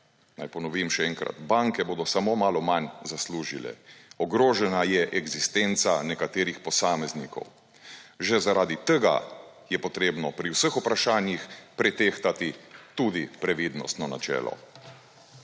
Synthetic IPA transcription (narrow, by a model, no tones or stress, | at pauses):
najpɔnɔʋimʃɛɛŋkɾa̰t̪baŋkɛboːd̪ɔsamoːmaːlɔmanzasluːʒilɛ̰ɔɡɾoːʒɛnajɛʔɛɡzist̪ent̪sanɛkat̪eːɾixpɔsaːmɛznikɔ̰w | ʒɛzaɾaːd̪it̪əɡa̰ | jɛpɔt̪ɾeːbnɔpɾiwsəxupɾaʃaːnjixpɾɛt̪eːxt̪at̪it̪uːd̪ipɾɛʋiːd̪nɔ̰st̪nɔna̰t͡ʃɛ̰ːlɔ̰